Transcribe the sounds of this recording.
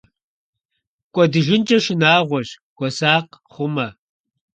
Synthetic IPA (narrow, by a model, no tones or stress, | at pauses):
kʷʼɔdɨʒɪnt͡ʃʼɐʃɪnaːʁʷɔʑ | ɡ̥ʷʼɔsaːqχʷʊmɐ